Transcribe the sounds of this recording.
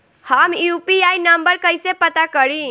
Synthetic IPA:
həmjupiajnəmbəɾkəjsepət̪akəɾi

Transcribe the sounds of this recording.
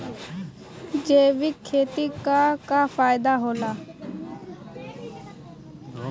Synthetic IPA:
d͡ʒeːʋɪkʰːeːt̪iːkaːkaːfaːɪd̪aːɦoːlaː

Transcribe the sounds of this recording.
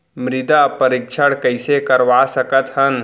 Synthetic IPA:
mɾɪd̪apəɾikʃʰəɽkəɪsekəɾʋasəkət̪ɦən

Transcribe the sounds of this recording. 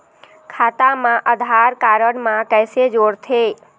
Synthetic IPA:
kʰat̪amãʔəd̪ʱaɾkaɾəɳmãkəjsed͡ʒoɽt̪ʰe

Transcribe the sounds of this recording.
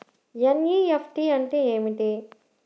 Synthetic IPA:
jɐnjiefʰʈiɐɳʈeeːmiʈi

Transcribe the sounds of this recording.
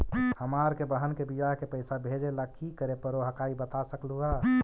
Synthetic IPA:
həmaːɾkebəɦənkebijaɦkepəɪsabʱed͡ʒelakikəɾepəɾoɦəkaːibət̪asəkluɦa

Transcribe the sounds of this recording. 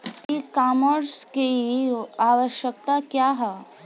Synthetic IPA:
tikaməɾskeiaʋəɕjək̚t̪akjaɦə

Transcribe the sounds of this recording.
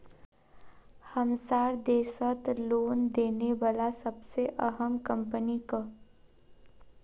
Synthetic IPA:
həmsaɾd̪eːsət̪lond̪eneʋalasəbseʔəɦəmkəmpənikə

